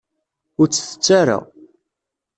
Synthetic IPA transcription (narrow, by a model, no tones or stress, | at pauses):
ʊɾt͡sːəθə̥t͡sːaɾa̰